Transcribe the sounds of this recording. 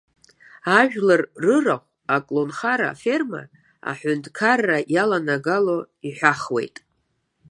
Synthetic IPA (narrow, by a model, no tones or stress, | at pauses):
aʒᶣlarːɨraχʷ | akʼlonχaɾa̰fe̞rma̰ | a̰ħʷʊntʼkʰarːajalanaɡalo̞ | iħʷᶣaχwe̞̰jtʼ